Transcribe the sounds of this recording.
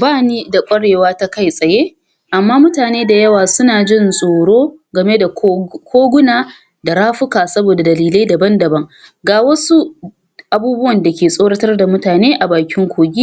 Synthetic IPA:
baː˦niː˦da˨kʷʼɐ˦ɽeː˨waː˦ta˦ka˦jsʼɐ˨jeː˦ | ʔa˨mːaː˦mʊ˦taː˨neː˦da˨jɐ˦waː˨sʊ˦naː˨d͡ʒɪ˦˨nsʼoː˨ɽoː˦ɡɐ˨me˦da˨kʰʷoː˦ɡʷʊ˦naː˨ | da˨ɽaː˦ɸʊ˦kaː˨sɐ˦boː˨da˨dɐ˨liː˨la˦dɐ˨bɐ˦ndɐ˨bɐ˦ŋɡaː˨wɐ˦su˦ | ʔa˨buː˦bʊ˦wɐ˨nda˨kʲeː˨sʼoː˦ɽɐ˦tɐ˦rda˨mʊ˦taː˨neː˦ʔa˨baː˨kʲɪ˦ŋkʷoː˨ɡʲiː˦

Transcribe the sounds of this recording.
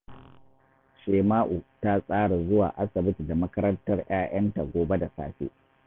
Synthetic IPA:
ʃeː˨maː˦ʔu˨ta˦sʼaː˦ɽa˨zʊ˦waː˨ʔa˦sɐ˨bɪ˦tda˨mɐ˦kɐ˦ɾɐ˦ntɐ˦rj̰aː˦j̰ʔɐ˦nta˨ɡʷoː˨be˦da˨sa̰ː˦ɸḛː˦

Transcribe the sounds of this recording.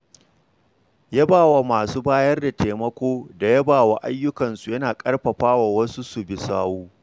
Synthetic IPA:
ja˦baː˨wa˨maː˨suː˦baː˦jɐ˦rda˨tʰeː˨mɐ˦kʷoː˦da˨jɐ˦baː˨wa˨ʔa˦jːʊ˦kɐ˨nsu˨jɐ˦naː˨kʼɐ˦rɸɐ˨ɸaː˦wa˨wɐ˦su˦su˨bɪ˨saː˦wuː˦

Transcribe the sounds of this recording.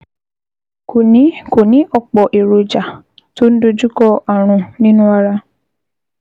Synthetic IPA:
ko˨nĩ˨˦ko˨nĩ˨˦ʔɔ˦˨k͡pɔ˨ʔe˨ɾo˨d͡ʒa˨ | to˦n̩˦do˧d͡ʒu˦kɔ˦a˨ɾ̃ʊ̃˨nĩ˦nũ˦a˦˧ɾa˦

